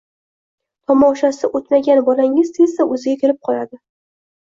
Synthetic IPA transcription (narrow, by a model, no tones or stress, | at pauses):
t̪ʰɒmɒʃasɪʔot̪maɡʲanbɒlaŋɪz̥t̪ezd̪aɵzɪɡʲakʲʰeɾɪp̚qʰɒla̰d̪ɪ